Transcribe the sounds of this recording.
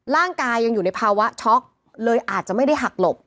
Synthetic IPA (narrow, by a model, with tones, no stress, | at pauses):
ɾaː˥˩ŋkaː˧jːa˧ŋjuː˨˩na˧jpʰaː˧wa˦˥t͡ɕʰɔ˦˥k̚ | lɤː˧jʔaː˨˩t̪̚t͡ɕa˨˩ʔma˥˩jda˥˩jɦa˨˩k̚lo˨˩p̚